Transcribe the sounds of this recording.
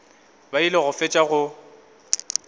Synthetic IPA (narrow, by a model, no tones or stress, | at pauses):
bailɪɣʊfɪt͡ʃʼaɣʊ